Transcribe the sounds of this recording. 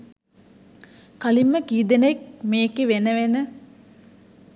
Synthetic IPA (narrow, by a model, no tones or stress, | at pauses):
kalimːəkiːd̪ənek̚meːkeʋenəʋenə